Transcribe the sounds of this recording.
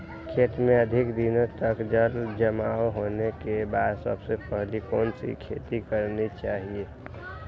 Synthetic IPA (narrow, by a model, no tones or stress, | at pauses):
kʰeːt̪mẽəd̪ʱɪkd̪inõt̪əkd͡ʒəld͡ʒəmaːɦoːnekebaːd̪sə̰bsepəɦlikoːnsḭkʰḛːt̪ikəɾnit͡ʃaːɦie